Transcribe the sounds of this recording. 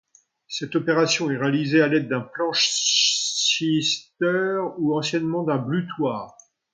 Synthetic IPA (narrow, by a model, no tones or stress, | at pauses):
sɛt̪ɔpeʁasjɔ̃ɛʁalizealɛd̪ːɛ̃plɑ̃ʃ | ist̪œʁuɑ̃sjɛnmɑ̃d̪ɛ̃blyt̪waːʁ